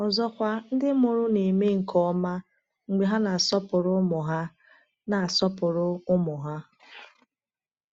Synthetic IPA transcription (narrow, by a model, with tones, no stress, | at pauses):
ɔ˨zɔ˦kʷa˦n̩˦dɪ˦mʊ˨ɾʊ˦ne˨me˦ŋ̩˨kʰɔ˦ma˦ | ŋ͡m̩˨ɡ͡be˨ɦa˦na˨a˨sɔ˦pʊ˨ɾʊ˦mɔ˨ɦa˦ | na˨a˨sɔ˦pʊ˨ɾʊ˦ʊ˦mɔ˨ɦa˦